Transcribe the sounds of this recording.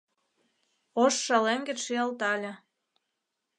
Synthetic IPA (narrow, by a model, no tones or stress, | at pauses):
oʃːɑlemɡĕʃiɑlt̪ɑlʲĕ